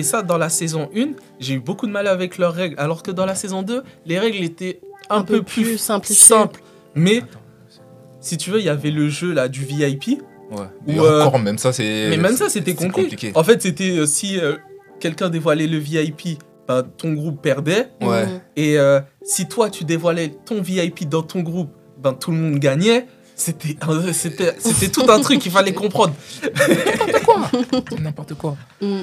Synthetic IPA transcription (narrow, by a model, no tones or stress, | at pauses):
esad̪ɑ̃lasezɔ̃ʔyn | ʒeybokud̪əmalavɛklœʁːɛɡlalɔʁkəd̪ɑ̃lasezɔ̃d̪øleʁɛɡlet̪ɛɛ̃pøplyɛ̃sɛ̃pl | mɛ | sit̪yvøijavɛləʒølad̪yviajpi | wɛuøɔʁmɛmsasɛmɛmɛmsaset̪ɛtkɔ̃pllikeikeɑ̃fɛt̪set̪ɛøsiøkʲɛlkʲɛ̃d̪evwalɛləviajpi | b̥ɛ̃t̪ɔ̃ɡʁupːɛʁd̪ɛwɛeøsit̪wat̪yd̪evwalɛt̪ɔ̃viajpid̪ɑ̃t̪ʰɔ̃ɡʁup | bɛ̃t̪ʰuləmɔ̃d̪ɡaɲɛ | set̪ʰɛɛ̃set̪ɛset̪ɛt̪ut̪ɛ̃t̪χykkːifalɛkɔ̃pχɑ̃d̪ʁ | kwanɛ̃pɔʁt̪əkwa